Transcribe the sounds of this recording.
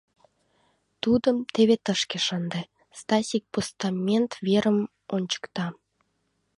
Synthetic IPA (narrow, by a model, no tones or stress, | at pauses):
t̪ud̪əmt̪eβet̪əʃkeʃənd̪e | st̪ɑsʲik̚post̪ɑmʲent̪veɾəm | onʲt͡ɕə̥kt̪ɑ